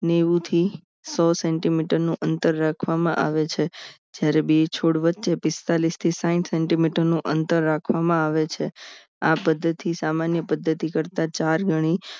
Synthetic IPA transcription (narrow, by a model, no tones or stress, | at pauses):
neʋũt̪ʰi | sɔsɛɳʈimiʈəɾnũʔənt̪əɾːakʰʋamãʔa̰ʋet͡ʃʰe | d͡ʒjaɾebit͡ʃʰoɽʋətːʃepɪst̪alist̪ʰisãĩʈsɛɳʈimiʈəɾnũʔənt̪əɾːakʰʋamãaʋet͡ʃʰe | apəd̪ʱːət̪isamanjəpəd̪ʱːət̪ikəɾt̪at͡ʃaɾɡʱəɽ̃i